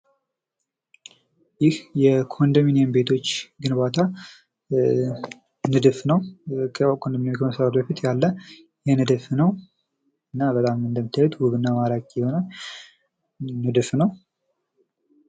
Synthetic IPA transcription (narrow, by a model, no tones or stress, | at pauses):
jɪhjɛkʰo̞nd̪əminijəmbe̞t̪ʰo̞t͡ʃːɡɨnbat̪ʰa | nɨd̪ɨfnəwkʰkʰond̪əminjmkʰəməsaɾat̪bəfit̪ʰjalːə | jɛnɨd̪fnəw | ɨnːabət̪ʼamɨnd̪əmːit̪ʰːajɛt̪wʊβɨnːəmaɾakʼjɛhona | nɨd̪ɨfnəw